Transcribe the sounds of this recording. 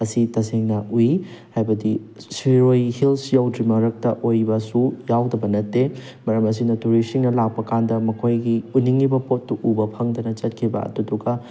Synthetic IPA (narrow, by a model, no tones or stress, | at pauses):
ɐsitɐseŋnɐʔujihajbɐdisiɾojhilsjawdɾimɐɾɐk̚tɐʔojbɐsujawdɐbɐnɐtːe | mɐɾɐmɐs̬inɐtuɾisiŋnɐlak̚pɐkandɐmɐkʰojɡiunːiŋːibɐpotːuʔubɐpʰɐŋdɐnɐt͡ʃɐt̚kʰibɐ̰ɐ̰duduɡɐ